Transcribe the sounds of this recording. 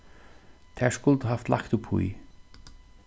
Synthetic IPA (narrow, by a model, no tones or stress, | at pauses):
t̪ʰɛːskʊlˠt̪haft̪la̰kt̪ʊpʰhṵi